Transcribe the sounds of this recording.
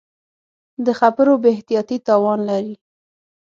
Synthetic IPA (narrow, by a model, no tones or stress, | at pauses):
d̪əxapəɾobeht̪ijɑt̪it̪ɑwɑnlaɾi